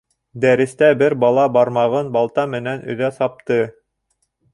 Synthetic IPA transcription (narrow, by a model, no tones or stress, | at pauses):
d̪æɾɘ̆st̪æbɘɾbɑlˠɑbɑɾmɑʁɤnbɑlˠt̪ɑmɘ̆nænɵ̰̆ðæsɑp̚t̪ɤ